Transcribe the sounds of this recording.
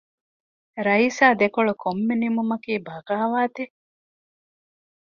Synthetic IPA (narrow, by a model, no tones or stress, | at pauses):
ɾɐiːsaːd̪ekoɭokʰomːenimumɐkiːbɐɡaːʋaːt̪e